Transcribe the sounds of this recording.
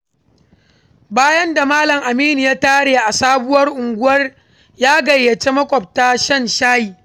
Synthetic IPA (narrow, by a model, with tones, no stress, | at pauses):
baː˦jɐ˦nda˨maː˦lɐ˨ŋʔa˨miː˦ni˨jaː˦taː˦ɽeː˨ʔa˨saː˦bʊ˦wɐ˦rʔʊ˨ŋɡʷʊ˦wɐ˦r | jaː˦ɡɐ˨jːɐ˨t͡ʃe˦mɐ˦kʷʼɔ˨p̚ta˦ʃɐ˦nʃaː˦jiː˨